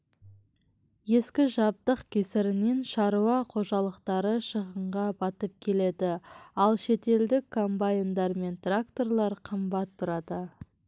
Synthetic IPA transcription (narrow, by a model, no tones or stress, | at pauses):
je̞skʲɪʒɑp̚t̪əqkʲʰesɪɾɪne̞nʃɑɾuɑqʰo̞ʒɑlˠəqt̪ɑɾəʃəʁəɴʁɑbɑt̪əp̚kʲʰe̞le̞d̪ɪɑlˠʃe̞t̪e̞ld̪ɪkʰːo̞mbajɪnd̪ɑɾme̞nt̪rakt̪o̞rlˠɑɾqʰəmbɑt̪ʰːʊɾɑd̪ə